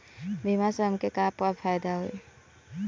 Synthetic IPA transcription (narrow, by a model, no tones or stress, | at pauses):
bʱimaseəmkekaːpwafʰajd̪aɦuḭ